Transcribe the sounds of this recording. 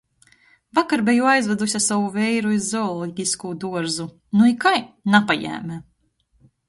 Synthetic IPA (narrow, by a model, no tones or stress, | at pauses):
vakaɾbɛjuajzvɛd̪usʲasawuvɛjɾuizːɔɔlˠɔɟʲiskuːd̪uɔɾzu | nuikajnapajæ̰ːmʲæ